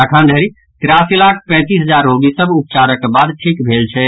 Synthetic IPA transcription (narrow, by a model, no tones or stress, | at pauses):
akʰand̪ʱəɾi | t̪ɪɾasilakʰpɛ̃t̪isɦəd͡ʒaɾːoɡisəbup̚t͡ʃaɾəkːebad̪ʈʰikbʱelt͡ʃʰɛ